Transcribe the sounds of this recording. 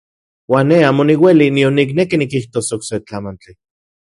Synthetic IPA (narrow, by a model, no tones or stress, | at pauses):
waːnːeaːmoniwelinionːik̬nekinikiht̪osokset͡ɬamant͡ɬi